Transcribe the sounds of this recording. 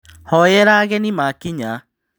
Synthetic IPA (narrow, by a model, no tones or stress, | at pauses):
hɔjɛɾaɣɛnimakiɲa